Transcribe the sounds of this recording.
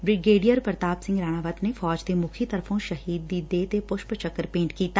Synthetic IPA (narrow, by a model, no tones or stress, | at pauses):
bɾɪɡeːɖijəɾpɾət̪aːbsɪ̃ŋɡɾaːɽ̃aːʋət̪nefɔːd͡ʒt̪emʊkʰit̪ɐɾfʰõʃɐɦiːd̪ːiːeːt̪epʊʃpt͡ʃɐkːəɾpẽːɳʈkiːt̪aː